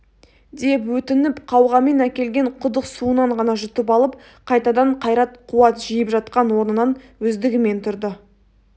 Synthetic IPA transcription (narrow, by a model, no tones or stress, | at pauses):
d̪e̞pwɵt̪ɪnɪpqʰɑwʁɑmenækʲe̞lɡʲe̞ɴqʰʊd̪əqsuənɑɴʁɑnɑʒʏt̪ɪpɑlˠəp̚ | qʰɑjt̪ɑd̪ɑɴqʰɑjɾɑt̪qʰʊwɑt̪ʒijəpʒɑt̪̚qɑnwo̞ɾnənɑn | wɵzd̪ɪɡʲɪme̞nt̪ʰʊɾd̪ɪ